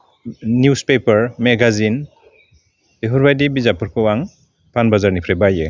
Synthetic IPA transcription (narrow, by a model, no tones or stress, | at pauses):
niuspepəɾmeɡazin | deɦɔɾbajdibizapʰɯɾkʰɯwaŋ | pʰanbazaɾnipʰɾebajɯ